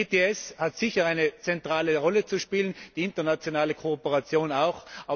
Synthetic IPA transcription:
eteɛshatsɪçɐaɪnət͡sɛntʁ̥aːləʁɔlət͡suʃpiːlənd̥iːɪntɐnat͡sjonaːləkʰoopəʁat͡sjoːnaʊxʔaː

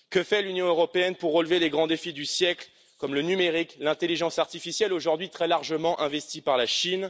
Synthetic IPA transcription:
kəfɛlynjɔ̃øʁɔpeɛnpuʁːəlveleɡʁɑ̃d̪efid̪ysjɛkl | kɔmlənymeʁiklɛ̃t̪eliʒɑ̃saʁt̪ifisjɛloʒuʁd̪ɥit̪χɛlaʁʒəmɑ̃ʔɛ̃vɛst̪ipaʁlaʃin

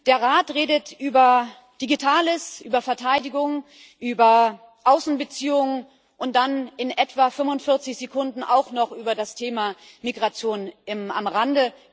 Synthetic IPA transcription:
d̥eːɐʁaːtʁeːdətʔyːbɐ | d̥iɡitʰaːləsʔyːbɐfɛɐtʰaɪdɪɡʊŋ | ʔyːbɐ | ʔaʊsn̩bət͡siːʊŋ | ʔʊnt̚d̥anɪnʔɛtv̥afʏmvʊntfɪɐt͡sɪçz̥ekʰʊndn̩ʔa̰ʊxnɔχʔyːbɐdastʰeːma | miɡʁat͡sjoːnɪma̰mʁandə

